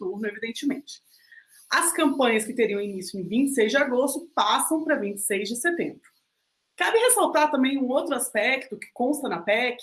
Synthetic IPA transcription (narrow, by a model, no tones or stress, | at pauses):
t̪uɾnʊevid̪ẽnt͡ʃɪmẽnt͡ʃɪ̥ | ɐskɐ̃mpɐ̃ɲɐskɪt̪eɾiɐ̃w̃inisjʊɪ̃vĩnt͡ʃɪ̥sejzd͡ʒɪaɡost̪ʊpasɐ̃w̃pɾɐvĩnt͡ʃɪ̥sejzd͡ʒɪset̪ẽmbɾʊ | kabɪhesawt̪aɾt̪ɐ̃mbẽj̃ũowt̪ɾʊaspɛkt̪ʊkɪ̥kõst̪ɐnɐpɛkɪ